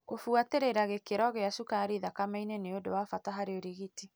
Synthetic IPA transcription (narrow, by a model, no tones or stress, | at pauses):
ɣofuateɾeɾaɣekeɾɔɣeaʃukaɾiðakamɛineneodowafataɦaɾeoɾiɣiti